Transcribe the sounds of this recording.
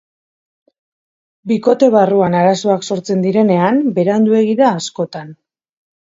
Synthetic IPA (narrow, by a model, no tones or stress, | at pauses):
biko̞t̪e̞β̞aruanaɾaso̞akso̞ɾt͡se̞nd̪iɾe̞ne̞ambe̞ɾand̪ue̞ɣiðaːsko̞t̪an